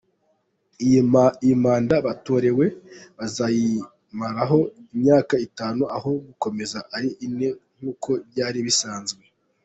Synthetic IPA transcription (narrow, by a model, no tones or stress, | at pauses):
iimaːndaβato̞ɾe̞we̞βazaji | maɾaɦo̞imɲaːkaitaːnuʔaɦo̞ɡuko̞me̞zaʔaɾiʔine̞ŋ̥huːkʰo̞βjɟaːɾiβisaːnzɡwe̞